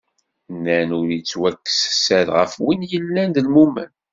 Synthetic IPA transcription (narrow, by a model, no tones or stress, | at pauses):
nːænuɾit͡sːwækːssæɾʁə̰fwinjəlːænd̪əlmumə̰n